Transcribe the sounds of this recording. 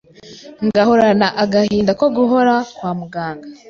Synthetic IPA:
ŋɡaho̞ɾanaʔaɡahiːndakoɡuɦoɾakwaːmuɡaːŋɡa

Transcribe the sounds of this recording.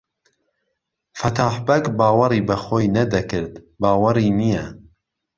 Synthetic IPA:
fɐt̪ʰaːħbɐkbɑːwɐɾiːbɐxoːjnɐd̪ɐkɨɾd̪ | bɑːwɐɾiːnijɛ

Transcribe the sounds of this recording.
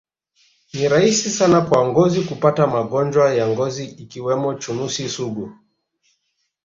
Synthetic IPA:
niɾaisisanakwaŋɡɔzikupatamaɠɔnd͡ʒwajaŋɡɔziːkiwɛmɔt͡ʃunusisuɡu

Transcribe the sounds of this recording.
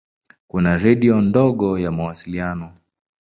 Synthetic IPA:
kunaɾɛɗiɔndɔɠɔjamawasilianɔ

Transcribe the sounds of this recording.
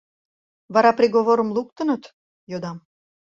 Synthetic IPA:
βɑɾɑprʲiɣoβoɾəmluk̚t̪ənət̪ | jod̪ɑm

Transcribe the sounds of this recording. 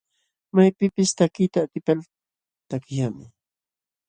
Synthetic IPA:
majpɪpɪst̪akɪt̪aːt̪ɪpal | t̪akɪjamɪ

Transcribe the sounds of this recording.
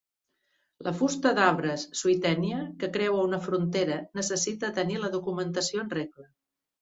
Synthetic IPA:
lʔəfust̪əðaβ̞ɾəsːuit̪ɛniəkəkɾɛwəunəfɾunt̪eɾənəsəsit̪ət̪əniləðukumənt̪əsioənreklə

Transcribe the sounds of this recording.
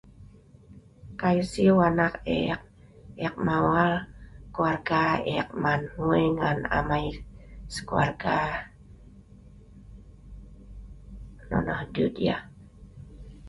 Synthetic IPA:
kajsiwanakḛk̚ɛk̚mawalkuarɡaɛk̚manhueŋana̰majsə̥kua̰rɡa | nɔ̰nɔhdudia̰

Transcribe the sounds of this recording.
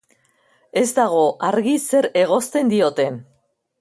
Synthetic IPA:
e̞zd̪aɣ̞o̞ʔaɾɣise̞ɾe̞ɣ̞o̞st̪e̞nd̪io̞t̪e̞n

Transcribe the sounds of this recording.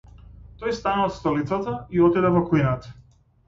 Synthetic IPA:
t̪ɔjst̪anat̪st̪ɔlit̪sat̪aiɔt̪id̪ɛvɔkujnat̪

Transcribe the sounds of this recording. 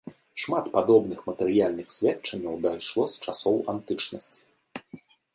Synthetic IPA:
ʂmat̪pad̪ɔbnɨxmɐt̪ɛɾɨjalʲnɨxsʲvʲɛt͡ʂɐnʲːɐwd̪ajʂlˠɔst͡ʂasɔwant̪ɨt͡ʂnɐsʲt͡sʲi̥

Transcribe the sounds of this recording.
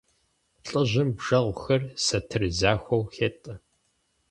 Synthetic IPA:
ɬʼɨʑʷɪmbʒ̥ɐʁʷxɐrsɐtʰɨrzaːxʷɐwxeːtʼɨ

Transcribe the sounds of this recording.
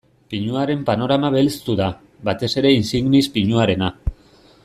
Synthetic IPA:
piɲuaɾe̞mpano̞ɾamaβelt͡st̪uða | βat̪e̞se̞ɾe̞insiŋɡnispiɲuaɾe̞na

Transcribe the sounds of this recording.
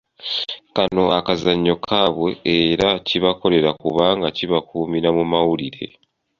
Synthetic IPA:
kano̞akazaɲːo̞kʰaːβwe̞eɾaciβako̞le̞ɾakuβaŋɡaciβakuːmiɾamumawuliɾe̞̰

